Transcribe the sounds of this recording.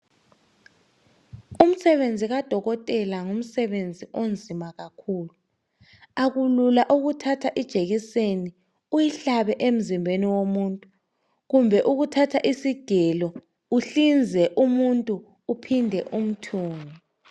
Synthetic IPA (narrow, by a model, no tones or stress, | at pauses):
um̩sɛβend͡zʱiɣad̥ʱɔɣɔtʼɛlaŋum̩sɛβend͡zʱiʔond͡zʱimaɣakʰuːlu | aɣululaʔuɣutʰatʰaʔid̥ʒ̥ʱeɣiseni | ujiɬaβɛʔem̩zimbʱeniwomuntʼu | ɣumbʱɛʔuɣutʰatʰaʔisiɡ̥ʱɛlɔ | uɬind͡zʱɛʔumuntʼuː | pʰindʱɛʔum̩tʰuːŋɔ